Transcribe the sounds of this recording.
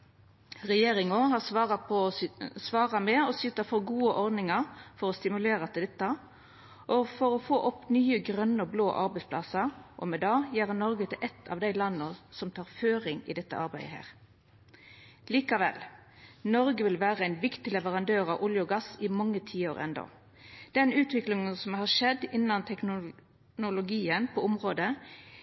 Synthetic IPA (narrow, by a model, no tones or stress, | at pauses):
ʁɛjeːʁɪŋohɑʁsʋɑːʁɑpʰɔsʋɑːʁɑmɛɔsʏt̪ɑfɔɡuːəʔɔɾd̪nɪŋɑʁfɔɾɔst̪ɪmʉleːʁɑt̪ɪld̪ɛt̪ːɑ | ʔɔfɔɾɔfoːʔɔpnyːəɡɾœnːəɔblo̰ːʔɑɾbæɪspʰlɑsɑʁʔɔ̰mɛd̪ɑːjæːʁənɔɾɡət̪ʰɪlʔɛt̪ʰːɑ̰ːʋd̪æɪlɑnːəsɔmt̪ʰɑːʁføːʁɪŋɪ̰d̪ɛt̪ːə̰ɑɾbæɪd̪əɦæ̰ːʁ | liːkɑʋɛ̰lnɔɾɡəʋɪlʋæːʁəæɪnʋɪkt̪ɪlɛʋəʁɑnd̪øːʁɑʋʔʊljʊɡɑsɪmɑŋːət̪ʰiːoːʁɛ̰nd̪o̰ | d̪̥ɛnʉːt̪ʋɪklɪŋənsɔmhɑʁʂɛd̪ɪnːɑnt̪ʰɛknʊ | nʊlʊɡiːənpʰɔʊmʁoːd̪ə